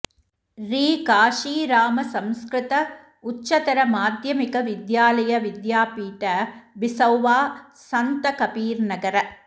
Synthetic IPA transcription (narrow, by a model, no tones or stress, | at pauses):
ɾiːkaːʂiːɾaːmɐsɐmskɾɪt̪ɐ | ʊt͡ʃːt͡ʃːɐt̪ɐɾɐmaːd̪jɐmɪkɐʋɪd̪jaːlɐjɐʋɪd̪jaːpiːʈɐbɪsɐwʋaː | sɐnt̪ɐkɐpiːɾnɐɡɐɾɐ